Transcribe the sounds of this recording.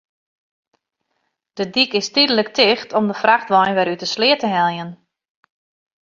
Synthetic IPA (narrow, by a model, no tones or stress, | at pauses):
d̥ədikɪstidələktɪxtʰɔmdəfraxtʋɔjnʋɛɾytəslɪətəɦɛlˠjən